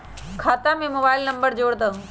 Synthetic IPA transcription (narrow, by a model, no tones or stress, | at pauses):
kʰaːt̪amĩmoːbaːɪlnɐ̃mbəɾd͡ʑoːɽd̪ə